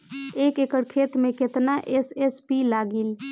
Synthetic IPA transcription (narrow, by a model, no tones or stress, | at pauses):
ekekəɽkʰet̪mẽket̪naʔesespilaɡil